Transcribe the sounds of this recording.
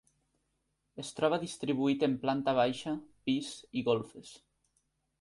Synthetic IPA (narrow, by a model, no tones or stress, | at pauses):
est̪ɾɔβ̞aðist̪ɾiβuit̪emplant̪aβ̞ajʃapisiɣolˠfes